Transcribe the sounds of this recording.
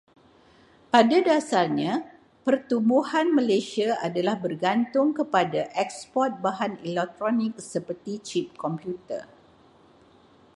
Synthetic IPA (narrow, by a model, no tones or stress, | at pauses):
padadasarɲã | pərt̪umbuhanmə̃lasiaadalahbərɡant̪ʊŋkəpadaʔɛk̚spɔt̪̚baɦanilɛk̚t̪ɾɔnɪ̃k̚səpərt̪it͡ʃip̚kɔmpjut̪ə̰r